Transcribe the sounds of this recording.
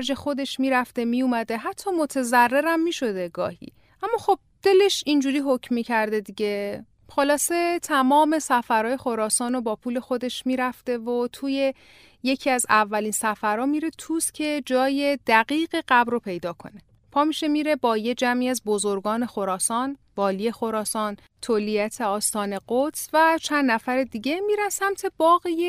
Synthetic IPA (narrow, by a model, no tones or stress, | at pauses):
ɾd͡ʒe̞xo̞d̪e̞ʃmiːɾæft̪e̞mijumæd̪eɦæt̪ʰːɒːmot̪ʰe̞zærːe̞ɾæmːiːʃo̞d̪e̞ɡɒ̰ːhḭː | ʔæmːɒːxo̞b̥̚d̪̥e̞le̞ʃind͡ʒuːɾiːɦocʰmːiːcʰæɾd̪e̞d̪iɟe̞ | xo̞lɒːse̞t̪ʰæmɒːme̞sæfæɾɒːje̞xoɾɒːsɒːnobɒːpʰuːle̞xo̞d̪e̞ʃmiːɾæft̪e̞vot̪ʰuːje̞ | je̞cʰiæzævːæliːnsæfæɾɒːmiːɾe̞t̪ʰuːscʰe̞d͡ʒɒːje̞d̪̥æɣiːɣeɢæbɾopʰe̞jd̪ɒːkʰo̞̰ne̞ | pʰɒːmiʃe̞miːɾe̞bɒːje̞d͡ʒæmiæzbo̞zoɾɡɒːne̞xo̞ɾɒːsɒːnvɒːlije̞xo̞ɾɒːsɒːn | t̪ʰolijæt̪ʰe̞ɒːst̪ɒːne̞ɢot̪svæt͡ʃʰænd̪næfæɾed̪iɟe̞miːɾæsæmt̪ʰe̞bɒːɣije